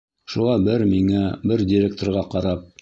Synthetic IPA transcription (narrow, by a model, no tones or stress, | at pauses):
ʃulˠɑbɘɾmiŋæbɘɾd̪ʲɪɾʲek̚t̪orɾʁɑqɑɾɑp̚